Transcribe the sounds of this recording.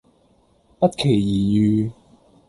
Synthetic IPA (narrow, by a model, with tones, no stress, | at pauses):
pɐ˥t̚kʰe˨˩jjiː˨˩jyː˨˧